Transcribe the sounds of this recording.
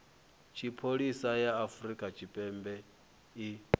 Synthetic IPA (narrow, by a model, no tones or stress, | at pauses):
t͡ʃʰipʰoɺisajaːfuɾikʼat͡ʃʰipʼɛmbɛ | i